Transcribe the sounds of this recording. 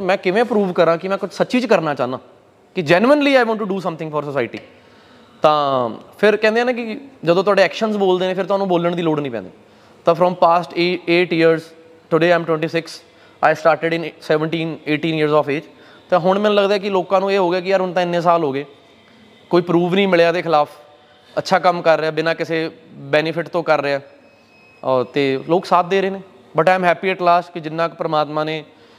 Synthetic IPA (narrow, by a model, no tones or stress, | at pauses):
mɛ̃ːkɪʋẽːpɾuːʋkəɾãːkɪmɛ̃ːkʊt͡ʃʰsətːʃiːt͡ʃkəɾnaːt͡ʃãːnã̰ː | kɪd͡ʒɛːnuənliːaːjʋɔ̃ːɳʈːuɖuːsə̃mt̪ʰɪ̃ŋɡfʰɔːɾsəsaːɪʈḭː | t̪ãːpʰɪɾkɛ̃ːnd̪ejaːnẽːkɪd͡ʒəd̪õːt̪ʊaːɖeːɛːkʃənzboːld̪eːnẽːpʰɪɾt̪ʊɦaːnũːboːləɳd̪iːloːɖnĩːpɛ̰̃ːi | t̪ãːfʰɾɔ̃ːmpaːsʈːeːʈɪəɾz | ʈʊɖeːaːɪmʈwɛ̃ɳʈiːsɪks | aːɪsʈaːɾʈɪɖɪnsɛːʋəɳʈiːneːʈĩːniəɾzɔːfeːd͡ʒ | t̪ãːɦʊɳ̃mɛ̃ːnũːləɡd̪aːɛːkɪloːkãːnũːeːɦoːɡaːkɪəɾʊnt̪ãːɪnːẽːs̬aːlɦoːɡeː | koːiːpɾuːʋnĩːmɪɭjaːd̪eːkʰɪlaːpʰ | ətːʃʰaːkəmkəɾːeaːbɪnãːkɪseːbɛːnɪpʰɪʈt̪õːkəɾːeaɛː | t̪eːloːksaːt̪̚ʰd̪eːɾəeːneː | bəʈaːɪmɦɛːpiːeʈlaːsʈkɪd͡ʒɪnːãːkpəɾəmaːt̪mãːneː